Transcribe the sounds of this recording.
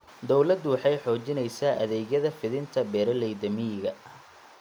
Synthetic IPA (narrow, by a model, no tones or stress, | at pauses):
d̪ɔwlɐd̪wɑħɑjħɔːt͡ʃɪnɛjsaːʔɐ̰ðɛːɣjɐðɐfɪðɪnt̪ʰɐbɛːɾɐlɛjd̪ɐmɪjɪɣɐ